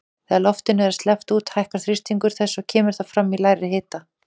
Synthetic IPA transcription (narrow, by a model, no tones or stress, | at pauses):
θɛðalɔft̪ɪnʏɛɾast̪lɛft̪uːt̪hajhkaɾ̥θɾist̪iŋkʏɾ̥θɛsːɔcʰɛːmɪɾ̥θafɾamːilaːjɾɪɦɪːt̪a